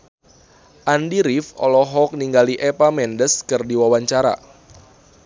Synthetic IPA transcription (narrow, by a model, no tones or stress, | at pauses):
ʔandiɾifɔ̰lɔɦɔk̚niŋɡaliʔepamɛndəskɨrdiwawaɲt͡ʃaɾa̰